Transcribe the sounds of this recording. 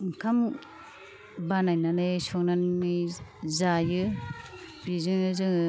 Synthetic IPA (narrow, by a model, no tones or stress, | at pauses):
ŋkʰam | banajnanɯjsɔŋnanmɯjzajɯ | bɾizɯŋɯzɯŋ